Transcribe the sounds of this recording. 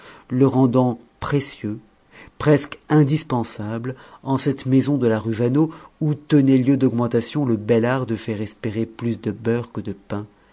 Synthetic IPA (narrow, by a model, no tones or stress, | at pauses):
ləʁɑ̃d̪ɑ̃ | pχesjø | pχɛskɛ̃d̪ispɑ̃sablɑ̃sɛt̪mezɔ̃d̪əlaʁyvanout̪ənɛljød̪ɔɡmɑ̃t̪asjɔ̃ləbɛlaʁd̪əfɛʁɛspeʁeplysd̪əbœʁkəd̪əpɛ̃